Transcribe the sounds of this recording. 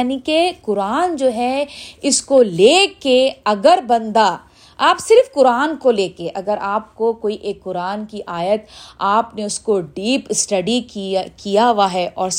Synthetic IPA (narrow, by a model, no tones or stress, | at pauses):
nikekʊɾaːnd͡ʒoːɦɛɪskoleːkeɐɡəɾbɐ̃nd̪a | aːpsɪɾfkʊɾaːnkoleːkeʔɐɡəɾaːp̚kokoːiʔeːkːʊɾaːnkiʔaːjət̪aːpneʊskoɖiːpsʈɐɖikijaʋaːɦɛʔɔːɾ